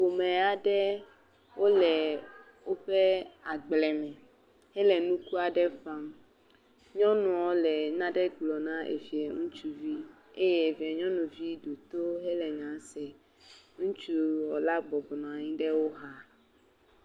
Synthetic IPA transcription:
o˨mɛ̃˨a˨ɖɛ˦ | wo˦lɛ˨ | wo˦ɸɛ˦a˨ɡ͡blɛ˨mɛ̃˨ | hɛ˦lɛ˨nũ˦ku˦a˨ɖɛ˦fã˦m | ɲɔ̃˦nũ˨ɔ˦lɛ˨nã˦ɖɛ˦ɡ͡blɔ˨nã˦ʔḛ˨vi˨e˨ŋũ˦t͡ʃu˦vi˦ | ḛ˦jɛ˦e˨vi˨e˨ɲɔ̃˦nũ˨vi˦ɖu˨t̪o˦ɦɛ˦lɛ˨ŋã˨˦sɛ˨ | ŋũ˦t͡ʃu˦wɔ˨la˦ɡ͡bɔ˨bɔ˨nɔ̃˨a˨ɲĩ˦ɖɛ˦wo˦ɦa˦

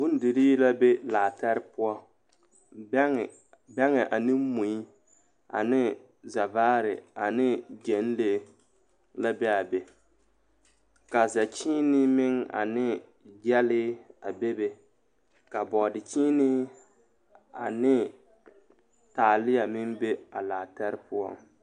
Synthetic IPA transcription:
bʊ˦n˦dɪ˨ɾiː˦la˦be˦laː˨ta˦ɾɪ˦pʊ˦ɔ˦˨ | bɛ˦ŋɛ˨ʔa˨nɪ˦m˦mu˨i˦ | a̰˨nɪ˦ | za˨vaː˦ɾɪ˨a˨nɪ˦d͡ʒɛ˨n˦le˦ | la˦bɛ˦a˨be˨ | ka˨za˨t͡ʃiː˦nɪ˦mɪ˦ŋa̰˨nɪ˦ | d͡ʒɛ˦lɪ˦a˨be˦be˨ | ka˨bɔ˨dɪ˨t͡ʃiː˦nɪ˦ | a̰˨nɪ˦ | taː˨lɪ˦ja˨mɪ˦mbe˦a˨laː˨ta˦ɾɪ˦pʊ˦ɔ̰˦ŋ

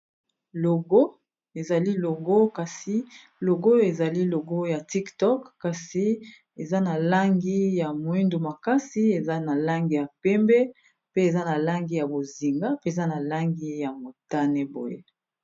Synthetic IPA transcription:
lo˨ɡo˦ | e˨za˨li˦lo˨ɡo˦ka˨si˦ | lo˨ɡo˦e˨za˨li˦lo˨ɡo˦ja˨ti˦ktɔ˦kka˨si˨˦ | e˨za˦na˨la˦ŋɡi˦ja˨mo˨i˦ndu˨ma˨ka˦si˦e˨za˦na˨la˦ŋɡi˦ja˨pɛ˦mbɛ˦ | pe˦e˨za˦na˨la˦ŋɡi˦ja˨bo˨zi˨ŋɡa˦pe˦e˨za˦na˨la˦ŋɡi˦ja˨mo˨ta˦nɛ˦bo̰˨je˦

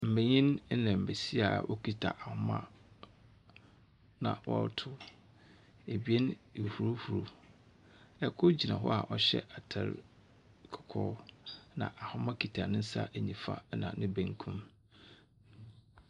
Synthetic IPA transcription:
m̩˨be˨ɲĩ˦n˦nɛ̃˨m̩˨be˨si˦a˨ʔo˦kʰi˦tʰa̰˨ʔa˨hʊ˦mã̰˦ | nã˨wʔɔ˦ɾtʰʊ˦ | e˨bi˨˦e˦n˨hu˨ɾu˦hu˨ɾu˨ | ɛ˦kʰʊ˦d͡ʑi˨nã̰˨ɦɔ̰˦a˨ʔɔ˦ɕɛ̰˦ʔa˨tʰɛ̰˨ɾ | kʰɔ̥˨kʰɔː˦nã̰˨ʔa˨hʊ˦mã˦kʰi˨tʰa˨nɪ̃˦n̩˦sa̰˦ʔe˨ɲĩ˨fa̰˦nã̰˨nɪ̃˦bẽ˨ŋkʰũ˦m

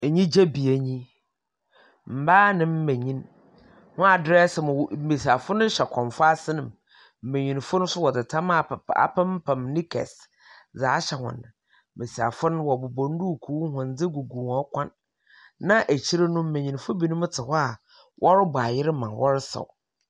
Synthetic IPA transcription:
e˨ɲĩ˦d͡ʑe˦bi˨e˨ɲĩ˦ | m̩˨baː˦nɪ̃˨m̩˦mẽ˨ɲĩ˦n | hʊ̃˦a˨dɾɛ˦sɪ˨mʊ̃˨wm̩˦me˨si˨a˨fʊ˦nʊ̃˦ɕɛ˨kʰɔ̃˨m˨fʊ˦a˦sɪ˦nɪ̃˨m | m̩˦mẽ˨ɲĩ˨n˨fʊ˦nʊ̃˦sʊ˦wɔ˨dɪ˨tʰã˦m˦a˦˨a̰˨pʰɛ̃˦m˦pʰã˨mnĩ˦kʰɛ̰˨s | d͡zaː˨˦ɕɛ˨hʊ̰̃˨nɪ̰̃˨ | mẽ˨si˨a̰˨fʊ˦nʊ̃˦wɔ˨bʊ˨bɔ̃˨n̩˦du˦˨kʰu˨˦hʊ̃˨n˦d͡zɪ˦ɡu˨ɡũ˨ŋɔ˦kʰʷã˦nː | ã˦ʔæ˨t͡ɕʰi˦ɾe˦nʊ̃˦m̩˦mẽ˨ɲĩ˨n˨fʊ˦bi˨nʊ̃˦m˦tʰɪ˨hɔ˦a˨ | wʔɔ˦ɾɪ˦bʊ˨a˨jɪ˦ɾɪ˦mã˨wʔɔ˦ɾɪ˦sɔ̰˨

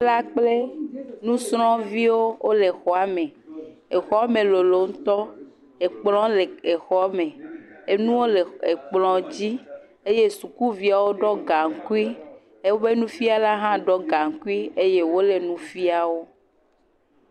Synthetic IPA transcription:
la˦k͡ple˦nũ˦sɾɔ̃˦vi˦wo˦wʔo˦le˨xɔ˨a˨˦mẽ˨e˨xɔ˦a˦mẽ˨lo˨lo˨ŋ̩˦t̪ɔ˦ | e˨k͡plɔ̃˦le˨e˨xɔ˦mẽ˨e˦nũ˦wo˦le˨e˨k͡plɔ̃˨d͡ʑi˦ | e˦je˦su˨ku˦vi˨a˨wo˦ɖɔ˦ɡa˨ŋ˨ku˦i˦ | e˦wo˦be˦nũ˦fi˦a˦la˦ɦã˦ɖɔ˦ɡa˨ŋ̩˨ku˦i˦e˦je˦wo˦le˨nũ˦fi˦a˨wo˦

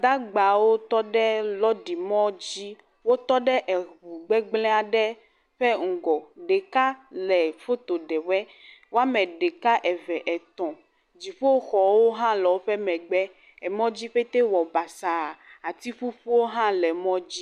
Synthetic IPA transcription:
d̪a˦ɡ͡ba˨wo˦t̪ɔ˦ɖɛ˦lɔ˦ɖi˨mɔ̃˦d͡ʑi˦ | wo˦t̪ɔ˦ɖɛ˦ʔɛ˨ɦu˨ɡ͡bɛ˦ɡ͡blɛ̃˦a˨ɖɛ˦ | ɸɛ˦ŋ̩˨ɡɔ˨ɖe˨ka˦lɛ˨fo˦t̪o˨ɖɛ˨wɛ˦ | wo˦a˦mɛ̃˨ɖe˨ka˦ʔɛ˨vɛ˨ʔɛ˨t̪ɔ̃˨ | d͡ʑi˨ɸo˦wxɔ˨wo˦ɦã˦lɔ˨o˦ɸɛ˦mɛ̃˨ɡ͡bɛ˦ | ɛ˨mɔ̃˦d͡ʑi˦ɸe˦t̪e˦wɔ˨ba˨sa˨a˨t̪i˦ɸu˦ɸo˦wo˦ɦã˦lɛ˨mɔ̃˦d͡ʑi˦

